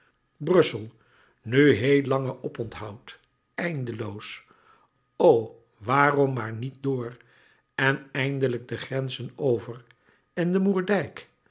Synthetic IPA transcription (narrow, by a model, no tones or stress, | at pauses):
brɵsəlˠ | nyɦejlɑŋəʔɔpɔntɦɑwt | ɛjndəlows | ow | ʋaːrɔmːaːɹnit̚dʊːɹ | ɛnɛjndələɡ̚dəχrɛnzənowvər | ɪndəmuːɹdɛjk